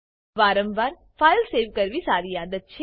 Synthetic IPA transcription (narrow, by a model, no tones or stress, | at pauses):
ʋaːɾə̃mʋaːɾ | faːjlseːʋkəɾʋisaːɾiːjaːd̪ət̪̚t͡ʃʰ